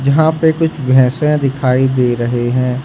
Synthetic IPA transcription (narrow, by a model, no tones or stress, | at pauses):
jɐɦãpekʊt͡ʃʰbʱɛ̃ːsẽd̪ɪkʰaːid̪eːɾɐɦeɦɛ̃ː